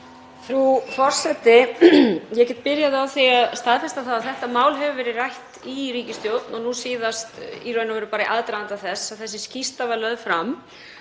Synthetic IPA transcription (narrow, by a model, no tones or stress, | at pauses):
θɾufɔr̥sɛt̪ɪ | jɛcɛt̪pɪɾjaðɪawθiaðst̪aːðfɛst̪aθaðaðθɛht̪amaːwlɦɛvʏvɛːɾɪrajht̪iɾiːcɪst̪jowt̪nɔnusiːðast̪iɾœːɥnavɛɾʏpaːɾaʔaðt̪ɾaant̪aθɛsaðθɛsːɪscist̪avaɾlœðfɾam